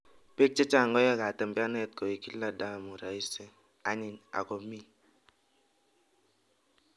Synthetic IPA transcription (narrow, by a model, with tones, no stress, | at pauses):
pe˦k̚t͡ʃɛ˦t͡ʃa˦˨ŋɡɔ˦ja˦ka˨tɛ˨mba˦nɛ˦t̚kɔ˨i˨ki˦la˦da˦˨mu˨ɾa˨i˦se˦ | a˦ɲɪ˨ɲa̰˨ko˨mi˦